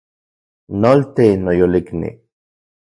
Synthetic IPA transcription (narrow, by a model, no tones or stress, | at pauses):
nolt̪enojoliknḭ